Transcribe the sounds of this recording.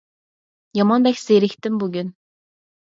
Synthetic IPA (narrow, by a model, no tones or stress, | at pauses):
jɑmɑnbɛxʲseɾɪkʲt̪ɪmbuɡʲyn